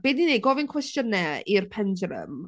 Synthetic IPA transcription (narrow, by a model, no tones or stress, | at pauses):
b̥edineɡɔvɪnkʰwɛstjənːɛirpʰɛndrə̰m